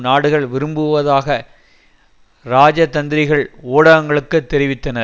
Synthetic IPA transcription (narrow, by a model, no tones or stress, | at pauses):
naːɽɯɣɐɭʋɪɾɯmbɯʋɐðaːɣɐ | ɾaːd͡ʒɐt̪ɐnd̪ɪɾɪɣɐɭoːɽɐʋɐŋɡɐɭɯkːɯt̪ːɛɾɪʋɪt̪ːɐnɐ